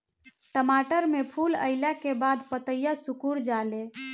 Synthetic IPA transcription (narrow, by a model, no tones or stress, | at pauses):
ʈəmaʈəɾmepʰulə̰ɪlakebad̪pət̪əjasukuɽd͡ʒale